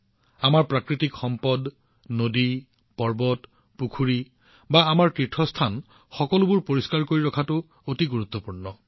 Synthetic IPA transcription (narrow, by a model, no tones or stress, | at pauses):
amaɹpɹakɹitikxɔmpɔd | nodi | pɔɹbɔt | pukʰuɹi | baamaɹkɹitʰːɔstʰan | xɔkɔlʊbuɹpoɹiskaɹkoɹiɹɔkʰatʊ | otiɡuɹut̪ːɔpuɹnɔ